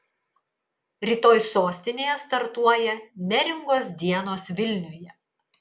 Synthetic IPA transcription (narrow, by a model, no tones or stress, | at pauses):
ɾʲiːt̪oːjsoːsʲt̪ʲɪnʲeːjɛst̪ɐɾt̪uɔjɛnʲɛɾʲɪŋɡoːsd̪ʲiɛnoːsʋʲɪlʲnʲʊjɛ